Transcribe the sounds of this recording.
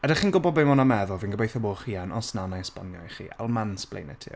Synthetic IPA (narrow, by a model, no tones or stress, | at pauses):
ədaχiːnɡʊbɔbɪmɔnamɛðʊlˠviːnɡəbejθəboːχiːanʔɔsnanajspa̰njɔχḭːʔa̰lˠmansblḛjnɛ̰tʰɪ̰